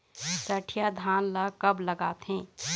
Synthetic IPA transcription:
səʈʰjad̪ʱaːnlakɐbləɡaːt̪ɦɛ̃ː

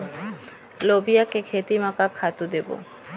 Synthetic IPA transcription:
lobiakekʰet̪imakakʰat̪ud̪ebo̰

